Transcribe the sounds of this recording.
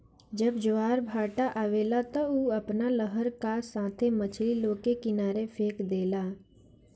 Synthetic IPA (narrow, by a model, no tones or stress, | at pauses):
d͡ʒəbd͡ʒʊaːɾbʱaːʈaʔaʋeːlat̪ɐuːɐpnaləɦəɾkasãːt̪ʰemət͡ʃʰliloːkekɪnaːɾefʰeːkd̪eːlaː